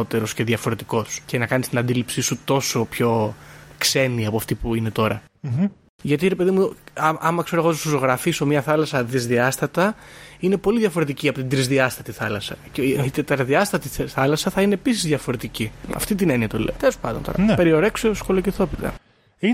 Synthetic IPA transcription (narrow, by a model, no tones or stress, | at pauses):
ot̪e̞ɾo̞sce̞ðʝɐfo̞ɾe̞t̪i̥ko̞sce̞nɐkɐnist̪inɐnd̪ilipsisut̪o̞so̞pço̞kse̞niɐpoɐft̪ipuine̞t̪o̞ɾɐ̰ | ʝɐt̪iɾepe̞ðimuɐʔɐmɐkse̞ɾoɣot̪usosoɣɾɐfiso̞mɲɐθɐlɐsɐðizðiɐst̪ɐt̪ɐine̞po̞liðʝɐfo̞ɾe̞t̪iciɐpo̞t̪ind̪ɾizðiɐst̪ɐt̪iθɐlɐsɐ̰ceit̪et̪ɐɾɐðiɐst̪ɐt̪iθɐlɐsɐθɐine̞ːpisizðʝɐfo̞ɾe̞t̪iciɐ̰ft̪it̪ine̞niɐt̪olḛot̪e̞lo̞spɐnd̪ont̪oɾɐpeɾio̞ɾeksosko̞lociθo̞pit̪ɐ̰ | i